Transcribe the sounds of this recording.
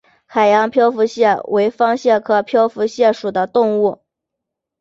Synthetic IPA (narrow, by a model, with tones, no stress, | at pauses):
xa˨˩ɪjɑ˧˥ŋpʰjɑ˥ʊfu˧˥ɕjɛ˥˩wʔe˧˥ɪfɑ˥ŋɕjɛ˥˩kʰɤ˥pʰjɑ˥ʊfu˧˥ɕjɛ˥˩ʂu˨˩d̪ə˦t̪ʊ˥˧ŋu˥˩